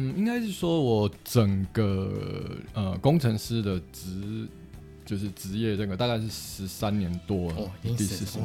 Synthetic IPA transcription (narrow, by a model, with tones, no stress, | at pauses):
n̩˥˩i˥ŋka˥ɪʂɻ̩˥˩ʂwɔ˥wɔ˨˩ʈ͡ʂə˨˩ŋɡə˧ | ə˧kʊ˥ŋʈ͡ʂʰə˧˥ŋʂɻ̩˥˩d̪ə˨˩ʈ͡ʂɻ̩˧˥ | t͡ɕjo˥˧ʊʂɻ̩˥˩ʈ͡ʂɻ̩˧˥jɛ˥˩ʈ͡ʂə˨˩ŋɡə˩t̪a˥˧ka˥˧ɪʂɻ̩˥˩ʂɻ̩˧˥sa˦nnjɛ˧˦nt̪wɔ˥ə˨t̪i˥˧s̩˥˩ʂ̩˨˩˨